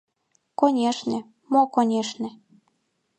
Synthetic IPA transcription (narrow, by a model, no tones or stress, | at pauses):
konʲeʃnĕ | mokonʲeʃnĕ